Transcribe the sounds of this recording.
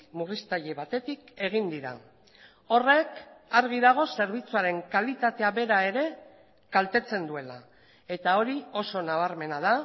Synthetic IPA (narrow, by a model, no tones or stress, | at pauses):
murist̪aʎe̞β̞at̪e̞t̪ike̞ɣ̞ind̪iɾa̰ | o̞re̞kaɾɣ̞iðaɣ̞o̞se̞ɾβ̞it͡suaɾe̞ŋkalit̪at̪e̞aβe̞ɾae̞ɾe̞ | kalt̪e̞t͡se̞nd̪ue̞la | e̞t̪ao̞ɾio̞so̞naβ̞aɾme̞nað̞a